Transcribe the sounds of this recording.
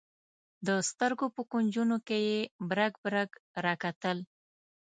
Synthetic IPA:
d̪əst̪əɾɡopəkund͡ʒunokejebɾaɡbɾaɡɾɑkat̪əl

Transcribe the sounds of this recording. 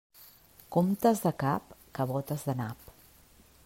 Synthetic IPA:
komt̪əzðəkapkəβɔt̪əzðənap

